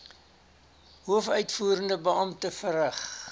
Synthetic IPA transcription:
ɦuəfœɥtfuːɾəndəbəɐmtəfərəχ

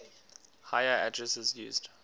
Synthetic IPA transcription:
haɪəa̰dɹɛsɪzjṵːzd̥

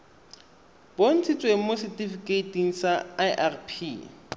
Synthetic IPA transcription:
bon̩t͡sʰit͡sʼweŋ̩mosɛtʼifikʼeitʼiŋ̩saaʔarpʰi

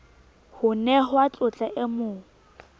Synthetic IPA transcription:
hʊnɛɦʊat͡ɬʼʊt͡ɬʼaʔɪmʊːŋ̩

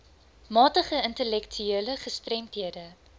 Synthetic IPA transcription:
mɑːtəχəəntəlɛktʰyeələχəstrɛmtɦiədə

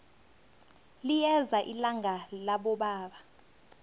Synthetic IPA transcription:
lijɛzaʔilaŋʱalaɓɔɓaːɓa

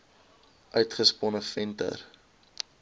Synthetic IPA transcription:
ʔœɥtχəspɔnəfɛntə̰r

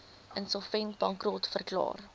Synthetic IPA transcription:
ʔənsɔlˠfɛntbɐŋkrɔtfərklɑ̰ːr

